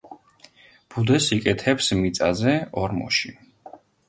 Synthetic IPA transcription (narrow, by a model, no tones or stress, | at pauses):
b̥ud̪ɛsikʼɛt̪ʰɛpsmit̪sʼazɛɔɾmɔ̰ʃi